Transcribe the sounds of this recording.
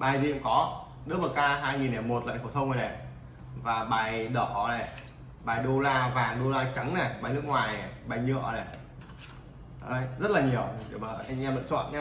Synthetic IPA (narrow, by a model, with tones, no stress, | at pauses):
ɓaː˨˩jzi˨˩ʔṵ˧˦ŋ͡mkɔ˨˦ | ɗɨ˦˥k̚mə˨˩kaː˧ɦaː˧jŋi˨˩nːɛ˨˩mo˨˩t̚la̰˧˨fə˧˩t̪ʰə˧wŋ͡mnə˨˩nɛ˨˩ | vaː˨˩ɓaː˨˩jɗəː˧˩ʔɔ̰˧˩˨nɛ˨˩ | ɓaː˨˩jɗo˧laː˧vaː˨˩ɗo˧laː˧t͡ɕa˨˦ŋnɛ˨˩ɓaː˨˩jnɨ˦˥k̚ŋwaː˨˩jnɛ˨˩ɓaː˨˩jɲɨ˧ʔə̰˧˨˩nɛ˨˩˨ | jzə˦˥t̚laː˨˩ɲi˨˩əwma˨˩˧ʔɲaː˧˩mlɨ̰˧˨t͡ɕwa̰ː˧˨nɲa˧